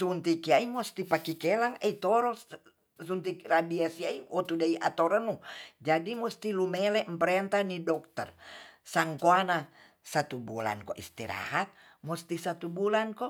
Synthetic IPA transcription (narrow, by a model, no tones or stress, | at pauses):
sunt̪ikiaimust̪ipakikɛlaŋɛit̪ɔɾɔs | sunt̪ikradiasiaiʔɔt̪udaiʔat̪ɔɾanud͡ʒadimust̪ilumɛlɛmpəɾɛnt̪anidɔk̚t̪ərsaŋkoana | sat̪ubula̰nkɔʔḭst̪ḭɾa̰hat̪̚ | must̪isat̪ubulankɔ